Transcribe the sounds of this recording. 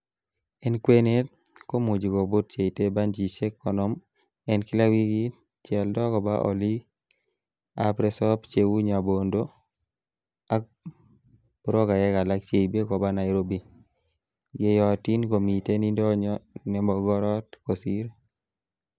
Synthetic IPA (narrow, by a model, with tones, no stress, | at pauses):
ɛ˦nkwe˦ne˦t̚ | ko˦mu˨d͡ʒi˨ko˨bo˦t̚t͡ʃe˨i˨te˦ba˦nd͡ʒi˨t͡ʃe˦kːɔ˨nɔ˦m | ɛ˦nki˦la˦wi˦ɡi˦ | t͡ʃɛ˨ldɔ˦kɔ˨ba̰˦ʔɔ̰˨li˦ | a˦pɾɛ˦sɔ˦pt͡ʃe˦wu˦ɲa˨bo˨ndo˦ | a˦k̚ | b̥ɾɔ˦ka˨jɛ˦ka˨la˦k̚t͡ʃe˨be˦kɔ˨ba˦na˨jɾo˦bi˨ | ɡe˨jɔ˨ti˦nko˨mi˨te˦ni˦ndɔ˦ɲɔ˦nɛ˨mɔ˨ɡɔ˦ɾɔ˦t̚ko˨si˦ɾ